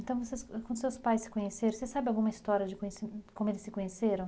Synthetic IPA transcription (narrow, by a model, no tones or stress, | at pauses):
ẽnt̪ɐ̃w̃voseskɐ̃d̪ʊsewspajssɪ̥kõɲeseɾ̃sesabɪawɡũmɐist̪ɔɾiɐd͡ʒɪkõɲesikõmʊelɪsɪkõɲeseɾɐ̃